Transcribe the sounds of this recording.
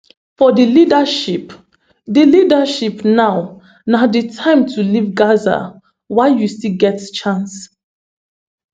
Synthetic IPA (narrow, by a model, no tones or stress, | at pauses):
fɔdilidaʃip | dilidaʃipnaʊ | naditʰãɪ̃mtʰulivɡaza̰ | waɪjustilɡɛtt͡ʃãns